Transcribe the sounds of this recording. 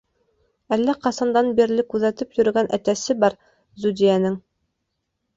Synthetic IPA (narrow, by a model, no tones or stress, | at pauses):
ælːæqɑsɑnd̪ɑnbiɾlɘkʉðæt̪ɘpjɵ̆ɾɘ̆ɡænʔæ̰t̪æsɘbɑɾ | zud̪ijænɘŋ